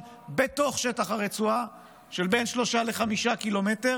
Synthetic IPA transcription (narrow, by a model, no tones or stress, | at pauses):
be̞to̞χʃetaχaʁet͡sua | ʃelbe̞jnʃlo̞ʃaleχamiʃakilo̞mete̞ʁ